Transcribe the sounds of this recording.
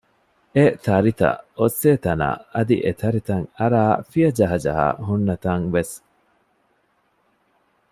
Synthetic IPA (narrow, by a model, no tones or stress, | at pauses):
et̪ʰɐɾit̪ɐ̰osːeːt̪ɐna̰ːɐd̪ḭʔet̪ʰɐɾit̪ɐŋɐɾaːfiɐd͡ʒɐɦɐd͡ʒɐ̰ɦa̰ːɦunːɐt̪ɐŋʋes